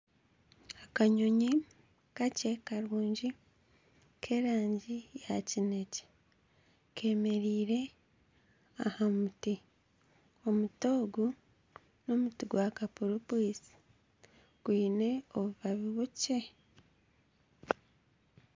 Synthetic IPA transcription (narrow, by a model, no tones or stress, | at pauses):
akaɲoɲi | kace̞kaɾuːɲɟi | kʰe̞ɾaːɲɟija̰cine̞ce̥ | kʰe̞ːme̞ɾiːɾe̞ | ahamuti | omuto̞ːɡu | no̞mutiɡwakapuɾupwiːsi̥ | kwiːne̞oβuβaβiβuce